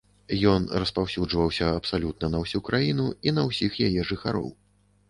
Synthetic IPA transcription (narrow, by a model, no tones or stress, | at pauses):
jɔnrɐspawsʲud͡ʐvɐwsʲɐɐpsalʲut̪̚nɐnɐwsʲukɾajinuinɐwsʲixjajɛʐɨxa̰ɾɔ̰w